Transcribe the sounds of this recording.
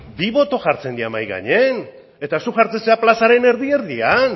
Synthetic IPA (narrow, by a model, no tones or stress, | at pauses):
biβo̞t̪o̞ʝaɾt͡se̞nd̪iamajɣa̰ɲen | e̞t̪asuʝaɾt͡se̞seaplasaɾe̞ne̞ɾðie̞ɾðian